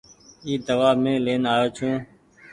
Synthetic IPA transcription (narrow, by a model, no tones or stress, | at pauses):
iːd̪əʋaːmẽːleːnaːjoːt͡ʃʰũː